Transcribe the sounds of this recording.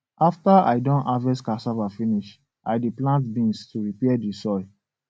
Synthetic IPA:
aftaa̰ɪdɔ̃navɛskasavafĩniʃ | ʔaɪdeplãntbĩnstuɹipɛadisɔɹi

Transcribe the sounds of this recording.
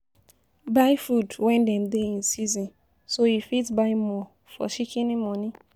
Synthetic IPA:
bajfɾudwɛ̃ndɛ̃mdeĩnsizɔ̃n | soifitbaɪmɔ | fɔ̰ʃikʰĩnĩmɔ̃nĩ

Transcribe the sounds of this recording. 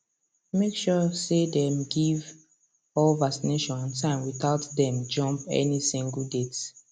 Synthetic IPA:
mekʃɔsedɛmɡiv | ɔlvaksineʃɔ̃nɔ̃ntãɪ̃mwiθaʊtdɛ̃md͡ʒʌ̃mpɛ̰nisĩŋɡəl̩ˠdet

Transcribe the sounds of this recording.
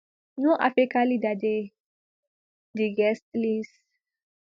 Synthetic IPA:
nũʔa̰fekalid̪ad̪e | d̪iɡɛst̪lis

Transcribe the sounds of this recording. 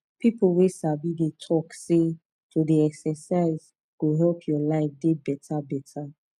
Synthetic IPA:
pʰiplwesabidetʰɔkse | tʰodeɛksɛsaɪz | ɡ̥oɦɛlpʰjɔlaɪfdebɛtʰabɛtʰa

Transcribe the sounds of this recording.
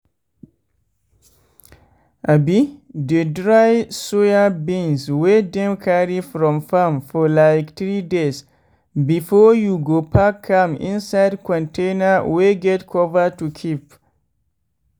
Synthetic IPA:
ʔabidedɹajsojabĩnswedɛ̃mkʰaɹifɹɔ̃mfamfɔlajktɹides | bifɔjuɡopʰakʰːãmḭ̃nsajdkʰɔ̃ntʰẽnaweɡɛtkʰɔvətukʰip

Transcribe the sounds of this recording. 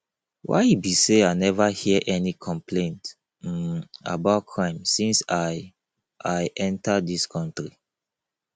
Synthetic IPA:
wa̰ɪibiseaɪnɛvahiʔɛnikʰɔ̃mplẽnt | a̰baʊt̚kʰɹãɪ̃msĩnsaɪ | ʔaɪʔɛ̃ntadiskʰɔ̃ntɹi

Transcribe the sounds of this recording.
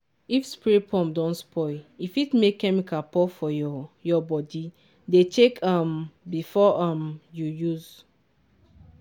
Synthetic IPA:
ifspiɹit̚pʰɔ̃mdɔ̃nspʰɔifitmekʰːɛmikapɔfɔjɔbɔdi | detʰekʰãmbifɔʔamjujuz̥

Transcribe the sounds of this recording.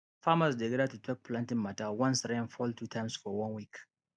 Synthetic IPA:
faːmɐs̬dɛɡɾatutwɛk̚plãntɪŋmatawɐ̃nsɾanfɔltutʰaɪmsfɔwɐ̃nwik

